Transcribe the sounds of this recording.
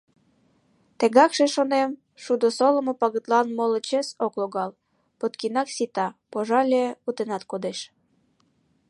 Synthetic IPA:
t̪ĕɣɑkʃeʃonem | ʃud̪osolə̆mopɑɣə̆t̪lɑnmolə̆t͡ɕesokloɣɑl | pot̪kinɑksit̪ɑpoʒɑlʲeut̪enɑt̪kod̪eʃ

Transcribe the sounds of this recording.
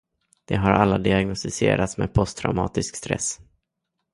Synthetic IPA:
d̪̥ɛɦaɾʔalːad̪ɪaɡnɔst̪ɪseːɾʔat̪smeːd̪̚pʰɔst̪ʰɾa̰ʊmɑ̰ːt̪ɪskst̪ɾɛ̰s

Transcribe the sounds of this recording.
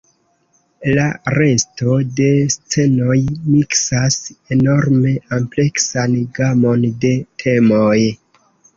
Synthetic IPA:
laɾe̞sto̞de̞st͡se̞no̞jmiksase̞no̞ɾme̞ample̞ksanɡamo̞nde̞tʰe̞moj

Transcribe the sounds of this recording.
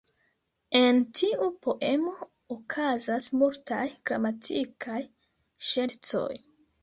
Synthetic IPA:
e̞ntʰiʔupo̞ʔemo̞ | okʰazasmultajɡ̥ɾa̰matʰikʰaj | ʃe̞lt͡so̞̰j

